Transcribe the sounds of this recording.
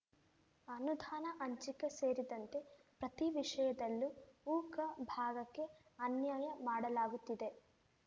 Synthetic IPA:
ɐnud̪ʱaːnɐʔɐɲt͡ʃikːe̞se̞ːɾid̪ɐnt̪e̞ | pɾɐt̪iʋiʂɐjɐd̪ɐlːuuːkɐbʱaːɡɐkːe̞ɐnjaːjɐmaːɽɐlaːɡut̪ːid̪e̞

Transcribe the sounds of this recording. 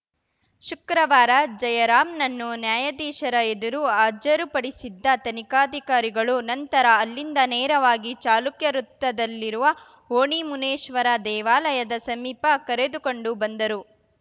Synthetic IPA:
ʃukɾɐʋaːɾɐd͡ʒɐjɐɾaːmnɐnːunjaːjɐd̪iːʃɐɾɐed̪uɾuaːd͡ʒɐɾupɐɽisid̪ːɐt̪ɐnikaːd̪ʱikaːɾiɡɐɭunɐnt̪ɐɾɐːlːind̪ɐnɛːɾɐʋaːɡit͡ʃaːlukjɐɾut̪ːɐd̪ɐlːiɾuʋɐ | ɦoːɳimuneːʃʋɐɾɐd̪ɛːʋaːlɐjɐd̪ɐsɐmiːpɐkɐɾed̪uko̞ɳɖubɐnd̪ɐɾu

